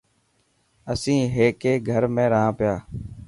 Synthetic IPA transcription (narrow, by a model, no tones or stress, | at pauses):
əsĩːɦeːkeːɡʱəɾmẽːɾəɦãːpɪjaː